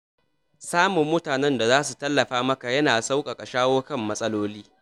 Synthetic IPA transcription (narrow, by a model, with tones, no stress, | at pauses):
saː˦mʊ˨mːʊ˦taː˨nɛ˦nda˨zaː˦s̬u˨tɐ˦lːɐ˨ɸaː˦mɐ˦ka˨jɐ˦naː˨sa˦wkʼa˨kʼa˨ʃaː˦woː˦kɐ˦˨mːɐ˦sʼɐ˦loː˦liː˦